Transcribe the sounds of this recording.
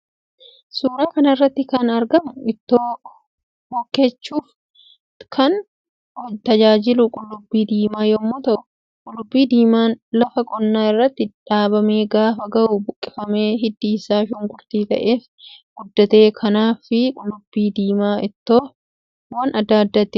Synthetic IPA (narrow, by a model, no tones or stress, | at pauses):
suːɾaːkɐnɐɪrːɐt̪ːɪkɐnɐɾɡɐmʊɪt̪ːoː | hɔkːe̞ːt͡ʃːuːf | kʰɐn | hɔt̪ɐd͡ʒaːd͡ʒɪlʊkʼʊlːʊbːiːd̪iːmaːjɔmːoːt̪ɐʔʊ | kʼʊlːʊbːiːd̪iːmaːnlɐfɐkʼɔnːaːɪrːɐt̪ːɪᶑaːbɐme̞ːɡaːfɐɡɐʔʊbʊkʼːɪfɐmeːɦɪd̪ːiːsaːʃʊːŋɡʊɾt̪iːt̪ɐ̰ʔe̞ːf | ɡ̥ʊd̪ːɐt̪e̞ːkʰɐnaːfɪkʼʊlːʊbːiːd̪iːmaːɪt̪ːoː | wɐnʔɐd̪ːaːd̪ːɐt̪ːɪ